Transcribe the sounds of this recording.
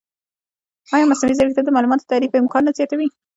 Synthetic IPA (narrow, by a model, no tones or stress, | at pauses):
ɑjɑmasnawizaɾket̪ad̪əmɑlumɑt̪o̥t̪aɾipəɪmkɑnːazjɑt̪awi